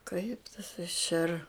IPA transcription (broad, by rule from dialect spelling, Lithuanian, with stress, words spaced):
kɐɪp tɐs ɪʃ ɛr